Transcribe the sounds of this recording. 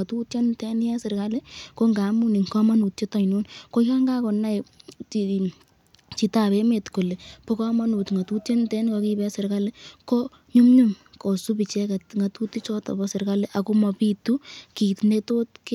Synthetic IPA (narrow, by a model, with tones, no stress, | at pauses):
a˨tu˦tt͡ʃe˦ntɛ˦n˦jɛ˦sɪ˨rka˦le˦ko˦ŋɡa˨˦mu˦ni˨ŋkɔ˦ma˦nu˨tt͡ʃe˦tɔ˨i˨nu˦nko˦ka˦ŋɡa˦kɔ˨nːa˦ji | t͡ʃi˨ta˨pe˦me˨tko˨le˨po˦kɔ˦ma˦nu˨tŋɡa˨tu˦tt͡ʃe˦ntɛ˦nkɔ˧ki˦bɛ˦sɪ˨ɾka˦le˦ko˦ | ɲu˦mɲu˦mko˨su˦pi˨t͡ʃɛ˦ka˨tŋɡa˨tu˦ti˦t͡ʃɔ˦tɔ̰˨bɔ˦sɪ˨rka˦le˦ʔa˨ko˦mɔ˨pi˦tu˦ki˨tne˦toː˦tk